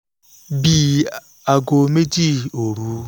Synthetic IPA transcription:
biː˨ | a˨ɡo˨me˦di˦˨o˨ɾu˦

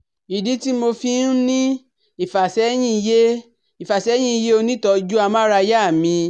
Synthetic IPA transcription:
i˨di˨˦ti˦mo˧fi˧n˦nĩ˦ | i˦˨fa˨sɛ˨˦j̃ĩ˦˧je˦ | i˨fa˨sɛ˨˦j̃ĩ˦˧je˦o˧nĩ˦tɔ˧d͡ʒu˦a˧mã˦ɾa˧ja˦˨mĩ˧

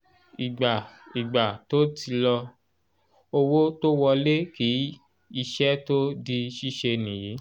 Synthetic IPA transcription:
i˨ɡ͡ba˨i˨ɡ͡ba˨to˦ti˧lɔ˧ | o˧wo˦to˦wɔ˧le˦ki˨˦ | i˧ʃɛ˦to˦di˧ʃi˦ʃe˧nĩ˨ji˨˦

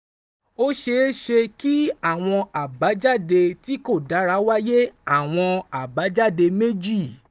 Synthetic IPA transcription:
o˦ʃe˧˦ʃe˧ki˦a˦˨w̃ɔ̃˧a˨ba˨˦d͡ʒa˦˨de˧ti˨˦ko˦˨da˨˦ɾa˨˦wa˦je˦a˦˨w̃ɔ̃˧a˨ba˨˦d͡ʒa˦˨de˧me˦d͡ʒi˦˨

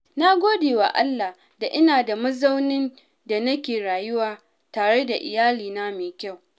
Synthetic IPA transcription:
na˦ɡʷoː˦deː˨wa̰˨ʔa˦lːa˨ | da˨ʔɪ˦naː˨da˨mɐ˦za˦wnɪ˦n | da˨nɐ˦kʲeː˨ɾaː˨jʊ˦waː˨ | taː˨ɽe˦da˨ʔɪ̰˨jaː˦liː˨naː˦meː˨kʲa˦˨w

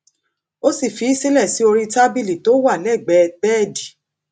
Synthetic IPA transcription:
o˦si˦˨fi˨˦i˦si˦lɛ˦˨si˨˦o˧ɾi˧ta˦bi˦li˨to˦wa˦˨lɛ˦˨ɡ͡bɛ˨˧bɛː˦˨di˨

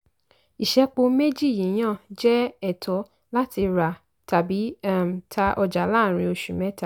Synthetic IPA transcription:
i˨ʃɛ˧k͡po˧me˦d͡ʒi˦˨jĩ˨˦j̃ã˦˨d͡ʒɛ˦ɛ˦˨tʰɔ˨˦ | la˦ti˧ɾa˨ | ta˨bi˨˦m˨tʰa˧ʔɔ˧d͡ʒa˨˦la˦˨ɾ̃ĩ˧o˧ʃu˨mɛ̃˨˦ta˨

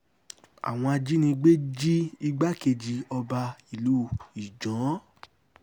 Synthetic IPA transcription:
a̰˨w̃ɔ̃˧a˧d͡ʒi˦nĩ˧ɡ͡be˦d͡ʒi˦i˦˧ɡ͡ba˦ke˧d͡ʒi˧ɔ˧ba˧i˨lu˦i˨d͡ʒɔ̃˨˦

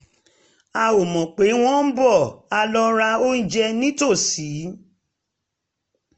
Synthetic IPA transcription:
a˧o˨mɔ̃˨k͡pe˨˦w̃ɔ̃˦m̩˦bɔ˦˨a˧lɔ˧ɾa˧o˦n̩˦d͡ʒɛ˧nĩ˦to˦˨si˨˦

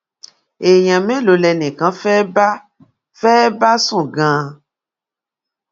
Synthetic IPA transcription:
e˨jã˨mẽ˦lo˨lɛ˧nẽ˨kã˨˦fɛ˦ba˦ | fɛ˦ba˦sũ˦˨ɡã˧˦

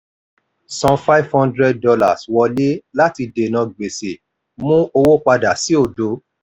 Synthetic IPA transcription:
sɔ̃˧fa˦i˦vhɔ̃˦ndɾɛ˦d̚dɔ˧la˨swɔ˧le˦la˦ti˧de˨nã˧ɡ͡be˨se˨ | mũ˦o˧wo˦k͡pa˧da˨˦si˦o˦˨do˨˦

